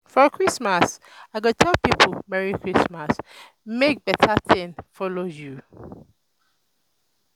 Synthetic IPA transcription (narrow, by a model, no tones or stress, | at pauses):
fɔkʰɹismas | aɡɔtʰɛlpipʰəmɛɹikʰɹismas | mek̚b̥ɛtʰaθɪ̃nfɔloju